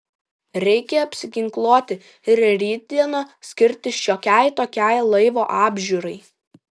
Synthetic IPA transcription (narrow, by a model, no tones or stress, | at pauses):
ɾʲɛɪkʲɛɐpʲsʲɪɡʲɪŋklˠoːt̪ʲɪ | ɪɾɾʲiːt̪̚d̪ʲiɛnɐsʲkʲɪɾʲt̪ʲɪʃʲoːkʲæɪt̪oːkʲæɪlˠɐɪʋoːʔɑːbʲʒʲuːɾɐɪ